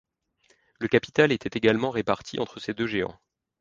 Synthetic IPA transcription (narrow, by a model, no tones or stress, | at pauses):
ləkapi̥t̪alet̪ɛt̪eɡalmɑ̃ʁepaʁt̪ʰiʔɑ̰̃t̪χəsed̪øʒeɑ̰̃